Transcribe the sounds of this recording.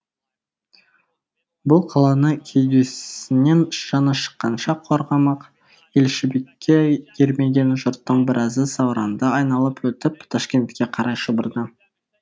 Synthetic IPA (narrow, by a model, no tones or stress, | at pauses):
bʊlˠqʰɑlˠɑnəkʲʰe̞jɡʲe̞sɪne̞nʒ̥ɑnɑʃə̥qːɑnʃɑqʰo̞ɾʁɑmɑq | e̞lʃɪbe̞kʲːe̞kʲʰe̞ɾme̞ɡʲe̞nʒʊɾt̪ːəɴbɪɾʔɑzəsɑwɾɑnd̪ɑɑjnɑlˠəpwɵt̪ɪpt̪ʰɑʃkʲe̞nt̪kʲːe̞qʰɑɾɑjʃəbəɾd̪ə